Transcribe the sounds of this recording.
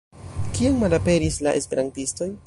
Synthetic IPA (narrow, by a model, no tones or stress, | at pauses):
kiaŋmalape̞ɾisla̰ʔe̞̰spe̞ɾantisto̞j